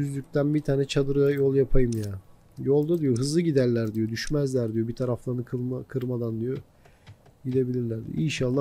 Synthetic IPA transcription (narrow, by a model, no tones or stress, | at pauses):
yzlʲyc̚ʲt̪ʰænbit̪ʰaːnɛt͡ʃʰad̪ɯɾɯjajolˠjapʰajɯmjaː | jo̞lˠd̪ad̪ijoɦɯzlˠɯɟid̪æɾlʲæɾd̪ijo̞d̪yʃmæzlʲæɾd̪ijo̞bit̪ʰaɾaflˠanɯkʰɯkʰɯɾmad̪and̪ijo | ɟid̪e̞bilʲiɾlʲæɾd̪ḭo̰inʃalˠːa